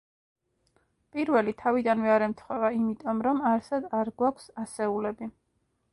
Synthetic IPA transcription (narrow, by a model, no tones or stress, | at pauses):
pʼiɾvɛlit̪ʰavid̪anvɛaɾɛmt̪ʰχwɛvaimit̪ʼɔmɾɔmaɾsad̪aɾɡwakʷʰsasɛulɛbi